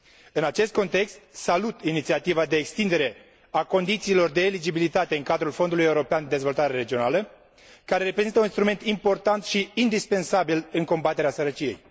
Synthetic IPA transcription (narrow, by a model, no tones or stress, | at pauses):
ɨnat͡ʃe̞st̪ko̞nt̪e̞kst̪salut̪init̪siat̪ivad̪e̞ːkst̪ind̪e̞ɾe̞ | ako̞nd̪it̪siːlo̞rd̪e̞ːlid͡ʒibilit̪at̪e̞ɨŋkad̪ɾulfo̞nd̪uluje̞uɾo̞peand̪ed̪e̞zvo̞lt̪aɾe̞ɾe̞d͡ʒio̞nalə | kaɾe̞ɾe̞pɾe̞zint̪əuninst̪ɾume̞nt̪impo̞rt̪ant̪ʃiːnd̪ispe̞nsabilɨŋko̞mbat̪e̞ɾeasəɾət͡ʃije̞j